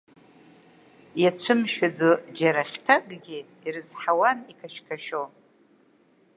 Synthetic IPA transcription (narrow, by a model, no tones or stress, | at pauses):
jat͡ʃʷʰɨmʃad͡zod͡ʒaɾaχʲtʰakʼɡʲi | iɾɨzħawanikʰaʃkʰaʃo